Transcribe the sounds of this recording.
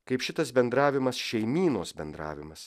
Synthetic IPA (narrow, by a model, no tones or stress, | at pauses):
kɐɪpʃʲɪt̪ɐsbʲɛnd̪ɾɑːʋʲɪmɐsʃʲɛɪmʲiːnoːsbʲɛnd̪ɾɑ̰ːʋʲɪmɐs